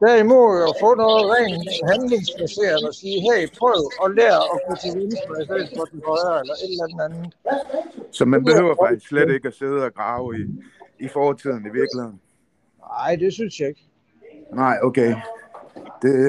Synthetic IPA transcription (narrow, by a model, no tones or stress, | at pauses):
d̥æɐimo̝ð̰ˠɒfɔ̰̽ːnɔ̽ːð̩ˠʁɛːnɦænle̝ŋsb̥æse̝̰ːɐðˠɒsiːɦɛɪpʰʁœʊɒ̽leːɐɒ̽kʰot͡sʰeʋinsɒdasḛːfɒd̥enhɒ̽ɪɐelɐʔe̝d̥lænð̩ænð̩ˠ | sɒ̽mænb̥e̝høʊ̰ɐfɑ̈ɡ̥̚i̥sɡ̥sledɾe̝ɡ̥əæse̝ð̞ˠəɒɡ̥ʁɑ̈ʊiifɒːt͡sʰið̰ˠn̩iʋiɐɡ̥lihe̝ð̰ˠn̩ | ɑ̈ɪ̰d̥e̝synsjɑ̈e̝ɡ̥ | nɑ̈ɪ̰okʰeɪ | d̥e̝